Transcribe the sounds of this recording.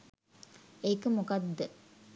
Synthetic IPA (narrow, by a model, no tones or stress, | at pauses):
ekəmukɐd̪ːə